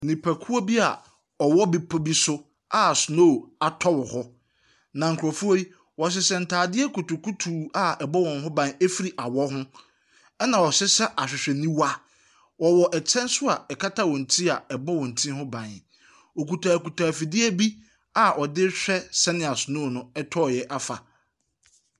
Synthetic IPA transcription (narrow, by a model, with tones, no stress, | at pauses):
nĩ˨pʰæ˨kʰu˦o˦bi˦a˨ | ɔ˨wɔ˦bi˦pʰɔ˦bi˦sʊ˦ | a˨sʊ˨no˦˨a˨tʰɔ˦wɔ˨hɔ˦ | nã˨ŋ̩˨kʰʊ˨ɾɔ˨fu˦o˦i˦ | wɔ˨ɕ̬ɪ˨sɛ˨n̩˨tʰaː˨dɪ˦ɛ˦kʰu˨tʊ˨kʰu˦tʰuː˨a˨ɛ˨bɔ˦wɔ̃˨nɦʊ̃˦bã˦ne˦fi˦ɾi˨ʔa˨wɔ˦hʊ̃˦ | ɛ˦nã˨wɔ˨ɕɪ˦sɛ˦ʔa˨ɕᶣɪ˨ɕᶣɛ˨nĩ˦wa˦ | wɔ˨wɔ˨ʔɛ˨t͡ɕʰɛ̃˦nsʊ˦a˨ɛ˨kʰa˦tʰa˦wɔ̃˨n̩˨tʰi˦a˨ɛ˨bɔ˦wɔ̃˨n̩˨tʰĩ˦hʊ̃˦bã˨n | ɔ˨ku˨tʰaː˨ku˨tʰaː˨fi˨dɪ˦ɛ˦bi˦ | a˨ʔɔ˨dɪ˦ɕᶣɛ˦sɛ˦nɪ̃˦˨a˨sʊ˨noː˦˨nʊ̃˦ɛ˦tʰɔ˦˨jɛ˦ʔa˦fa̰˨